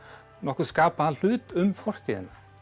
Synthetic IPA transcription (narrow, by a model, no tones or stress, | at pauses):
nɔhkʏɾskaːpahanl̥ʏːt̪ʏmfɔr̥t̪iɪna